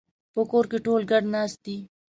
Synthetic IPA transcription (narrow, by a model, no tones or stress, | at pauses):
pokoːɾkeʈoːlɡɐɽnaːst̪iː